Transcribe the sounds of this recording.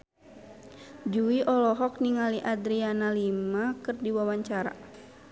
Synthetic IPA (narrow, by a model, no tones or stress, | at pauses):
d͡ʒuwiʔɔlɔɦɔk̚niŋaliʔadɾianalimakɨrdiwawaɲt͡ʃaɾa̰